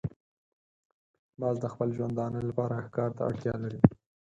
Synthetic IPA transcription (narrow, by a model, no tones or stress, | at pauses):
mɑzd̪əxpəlʒwand̪ɑnəlapɑɾaxkɑɾt̪a̰a̰ɽt̪jɑlaɾi